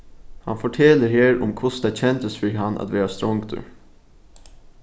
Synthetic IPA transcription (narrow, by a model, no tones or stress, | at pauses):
hɑ̰nfɔʈʰɛləɾheːɹʊ̰mkʰʊsd̪ɛt͡ɕʰɛnt̪əsfɪɾɦɑna̰t̪ʋeːɾɑst̪ɾɔŋɡt̪ʰə̰